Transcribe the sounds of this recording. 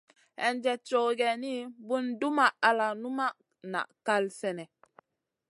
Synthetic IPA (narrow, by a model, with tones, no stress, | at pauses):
ɛ˨nd͡ʒɛ˨t͡ʃo˨ɡɛ˨ni˦bu˦ndu˦ma˨ʔa˨la˨nu˦ma˦ʔ | na̰˨ʔka˦lsɛ˨nɛ˨